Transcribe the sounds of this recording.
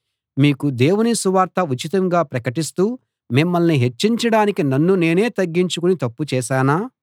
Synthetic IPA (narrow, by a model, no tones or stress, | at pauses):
miːkud̪e̞ːwunisuʋaːɾt̪ɐut͡ʃit̪ɐŋɡaːpɾɐkɐʈist̪uː | mimːɐlniɦe̞t͡ʃːiɲt͡ʃɐɽaːnikinɐnːune̞ːne̞ːt̪ɐɡːiɲt͡ʃukunit̪ɐpːut͡ʃɛːʃaːnaː